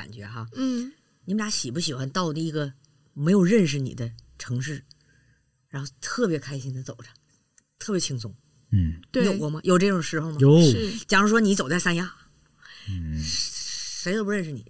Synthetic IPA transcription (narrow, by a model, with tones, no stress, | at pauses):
a̰˨˩nt͡ɕɥɛ̰˧˥xa˥˧˥ | ni˨˧˥ja˧˥ɕi˨˩pu˥˩ɕi˨˩xwa˧˦nt̪ɑ˥˩ʊd̪i˨˩i˧˥ɡə˧ | me˧˥ɪjo˨˩ʊɻə˥˩nʂ̬ɻ̩˨˩nḭ˨˩d̪ə˦ʈ͡ʂʰɤ˧˥ŋʂɻ̩˥˩ | ɻa˧˥nxo˥˧ʊt̪ʰɤ˥˩pjɛ˧˥kʰa˥ɪɕi˥ŋd̪ə˨t͡so˨˩ʊʈ͡ʂʰḁ˧˥ | t̪ʰɤ˥˩pjɛ˧˥t͡ɕʰi˧˥ŋsʊ˥ŋ̩˥˩˧ | jo˥˩kwɔ˧˥mɐ˧jo˨˩ʊʈ͡ʂɤ˥˩ʈ͡ʂʊ˨˩ŋʂɻ̩˧˥xo˧ʊmɐ˨˧˥t͡ɕja˨˩ʂu˥ʂwɔ˥ni˧˥t͡so˨˩ʊt͡sa˥˩ɪa˥nja˥ | ʂe˧˥ɪd̪o˧pɻə˥˩nʂ̬ɻ̩˥˩nḭ˨˩˦